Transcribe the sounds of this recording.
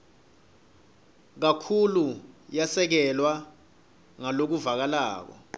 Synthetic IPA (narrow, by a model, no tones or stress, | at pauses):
k̬akʰulujasɛk̬ɛlwa | ŋalok̬uvak̬ala̰ːk̬ɔ̰